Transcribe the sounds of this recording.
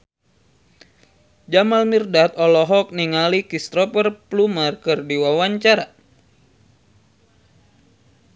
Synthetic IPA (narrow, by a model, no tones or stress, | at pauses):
d͡ʒamalmirdat̪ɔlɔɦɔk̚niŋalikist̪ɾɔpərplumərkərdiwawaɲt͡ʃaɾa